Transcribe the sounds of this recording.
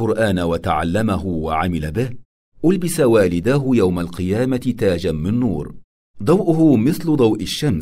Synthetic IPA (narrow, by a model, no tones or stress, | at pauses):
ʊɾʔaːnawat̪aʕa̰lːamaɦʊwaʕamɪlabɪh | ʔʊlbɪsawaːlɪd̪aːɦʊjawmalqɨjaːmat̪aːd͡ʒamɪnːuːɾ | d̪ˤɑwʔʊɦʊmɪθlʊd̪ˤɑwʔɪʃːam